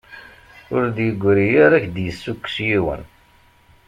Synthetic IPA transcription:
ʊɾd̪jəɡʷːɾijaɾæçd̪jəsːukːsjiwə̰n

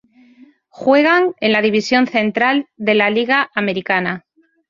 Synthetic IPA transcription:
xwe̞ɣaŋe̞nlaðiβ̞isjo̞nθẽ̞nt̪ɾald̪e̞laliɣaʔame̞ɾikana

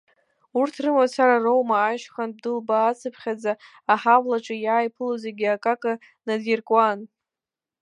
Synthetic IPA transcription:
urtʰrɨmasʰaɾarowmaːʃχanb̚dɨlbaːt͡sʰɨpʰχʲad͡za | aħawlaʈ͡ʂʼɨjaːjpʰɨlozeɡʲiakʼakʼa | nadirkʼwan

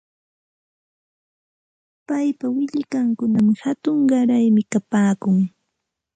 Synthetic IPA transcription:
pajpawɪʎɪkaŋkʊnamɪhat̪ʊŋɢɑɾajmɪkapaːkʊŋ

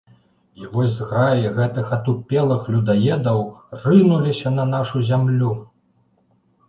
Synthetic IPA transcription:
ivɔzʲzɣɾajiɣɛt̪ɨxɐt̪upʲɛlˠɨxlʲud̪ajɛd̪ɐwrɨnulʲisʲɐnɐnaʂuzʲamlʲu

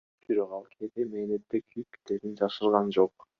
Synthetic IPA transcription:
b̥iɾoqɑlˠkʰet̪emeːnet̪ːekʲʰyjkt̪eɾind͡ʒɑʃɯɾˠʁɑnd͡ʒo̞q̚

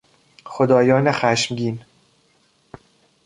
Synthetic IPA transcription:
xod̪ɒːjɒːnexæʃmɟʲiːn

